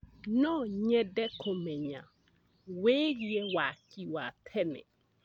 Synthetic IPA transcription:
nɔ̃ɲɛ̃dɛkʰʊ̃mɛ̃ɲã | wejiɛwakʰiwat̪ʰɛnɪ̰̃

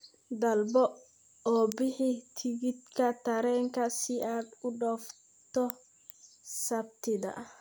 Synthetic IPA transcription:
d̪ɐlbɔ | ɔːbɪħit̪ʰɪɣɪd̪kʰɐt̪ʰɐɾɛːŋkʰɐsɪaːd̪ʊɖɔf | t̪ɔ | sɐb̚t̪ʰɪðɐ̰

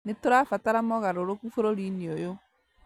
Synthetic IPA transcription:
netoɾafataɾamɔɣaɾoɾokufoɾoɾiniojo

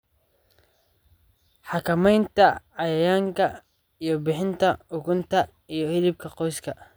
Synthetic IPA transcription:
ħɑkʰɐmɛjnt̪ʰɐʕɑjɐjaːŋkʰɐ | ijɞbɪħɪnt̪ʰɐʊɣʊnt̪ʰɐ | ijɞhɪlɪb̚kʰɐqɔjskʰɐ

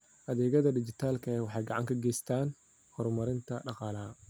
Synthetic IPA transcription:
ʔɐðɛːɣɐðɐdɪt͡ʃɪt̪ʰaːlkʰɐɛːwɑħɑjɡɑʕɑ̰ŋkʰɐɡɛjst̪ʰaːn | hɔɾmɐɾɪnt̪ʰɐɖɑqɑːlɐɦɐ

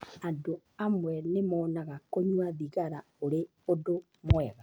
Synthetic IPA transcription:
ado | amwɛnemɔːnaɣakoɲwaðiɣaɾa | oɾe | odo | mwɛɣa

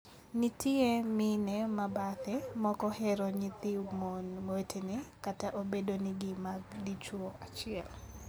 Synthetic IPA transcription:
nitʰiemɪnɛmabat̪ɛmɔkɔhɛɾoɲɪt̪imonmetʰenɪkataʔobedonɪɡɪmaɡdit͡ʃwoat͡ʃɪɛl

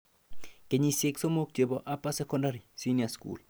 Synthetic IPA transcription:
keɲiseksomok̚t͡ʃeboʔapasɛkɔndaɾisiniaskṵl

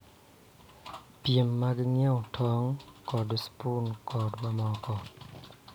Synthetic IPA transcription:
piəmːaɡəŋɛwtʰɔŋkɔduspunkɔtbamɔkɔ

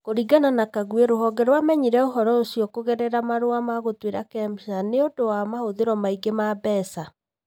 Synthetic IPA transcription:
koɾiɡananakaɣweɾoɦɔɡɛɾwamɛɲiɾɛoɦɔɾɔosiɔkoɣɛɾɛɾamaɾoamaɣotweɾakɛmsaneodowamahoðeɾɔmaiɡemaːbɛːsa

